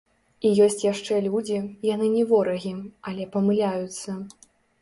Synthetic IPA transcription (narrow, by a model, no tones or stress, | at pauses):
ijɔsʲt͡sʲjaʂt͡ʂɛlʲud͡zʲijanɨnʲɛvɔɾɐɣʲiɐlʲɛpɐmɨlʲajut̪sːɐ